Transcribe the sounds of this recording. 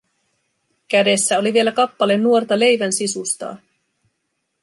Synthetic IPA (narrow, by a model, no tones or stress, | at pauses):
kæde̞sːæo̞liʋie̞lækɑpːɑle̞nːuo̞rt̪ɑle̞jʋænsisust̪ɑ̰ː